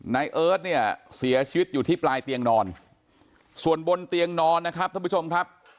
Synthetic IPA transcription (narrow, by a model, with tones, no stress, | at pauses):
na˧jʔɤː˦˥t̪̚ni˥˩ɐəsi˩˦ɐt͡ɕʰiː˧wi˦˥t̪̚juː˨˩t̪ʰiː˥˩plaː˧jt̪i˧əŋnɔː˧n | su˨˩ənbo˧nt̪i˧əŋnɔː˧nːa˦˥kʰɾa˦˥p̚t̪ʰa˧mʰpu˦˥t͡ɕʰo˧mkʰɾa˦˥p̚